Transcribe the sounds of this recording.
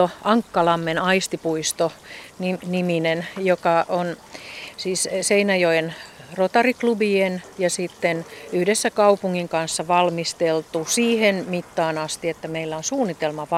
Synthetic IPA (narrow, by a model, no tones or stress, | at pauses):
oɑŋkːɑlɑmːenɑist̪ipuist̪oniniminenjokɑʔonsiːsseinæjoenrot̪ɑriklubienjɑsit̪ːenyhdesːækɑupuŋːiŋkɑnsːɑʋɑlmist̪elt̪usiːhenmit̪ːɑːnɑst̪iet̪ːæmeilːæonsuːnːit̪elmɑʋɑ